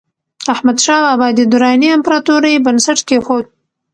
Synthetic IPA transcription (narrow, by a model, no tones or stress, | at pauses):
ahmad̪ʃɑbabɑd̪id̪ʊɾɑniampɾɑt̪uɾəjbansaʈkexod̪̚